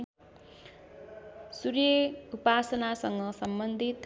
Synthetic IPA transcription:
surjʌupasʌnasʌŋɡʌsʌmbʌnd̪ʱit̪

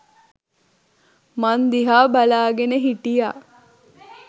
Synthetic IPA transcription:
mand̪iɦaːbalaːɡeneɦiʈija

